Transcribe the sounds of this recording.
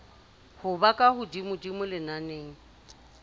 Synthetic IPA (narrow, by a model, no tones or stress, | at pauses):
hʊbakʼahʊdimʊdimʊlɪnaneːŋ̩